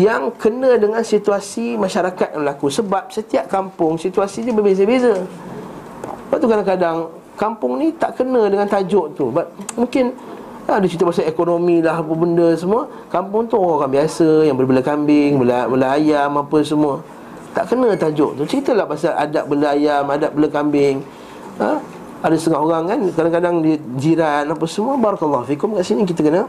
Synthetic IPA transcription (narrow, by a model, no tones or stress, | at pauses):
jaŋkənə̃dəŋãnsit̪uasimaʃaɾakat̪̚jaməlakusəbap̚sət̪iaʔ̚kampʊŋsit̪uasiɲəbəbezəbezə | əbat̪ukadaŋkadaŋ | kampʊŋnit̪aʔkənə̃dəŋant̪ad͡ʒɔʔt̪ubap̚mũŋkɪn | adut͡ʃit̪əbas̬aekonomilahpəbəndəs̬əmuə | kampʊŋt̪ʊhoɣãŋoɾaŋbiasəjaŋbəlbəlakambɪŋbəlabəlaajamapəs̬əmuə | t̪a̰ʔkənə̃t̪ad͡ʒɔʔt̪ut͡ʃɾit̪əlahbaasalʔa̰daʔ̚bəlaajamadaʔ̚bələkambɪŋ | ə | adəst̪əŋaɦoɾaŋkankadaŋkadaŋdid͡ʒiɾanapəsəmuəbaɾɑkəlːaɦufikʊmkaʔsinik̬it̪əkənə